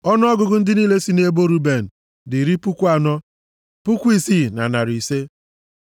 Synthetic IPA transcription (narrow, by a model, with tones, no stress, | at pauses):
ɔ˦n˦ɔ˦ɡʊ˨ɡʊ˦n̩˦dɪ˦niː˦le˦si˦ne˦bo˦ɾu˦be˨n̩˨ | dɪ˨ɾi˦pʊ˦kʷu˦a˨nɔ˦ | pʊ˦kʷi˦si˦˨na̰˨na˨ɾi˨se˦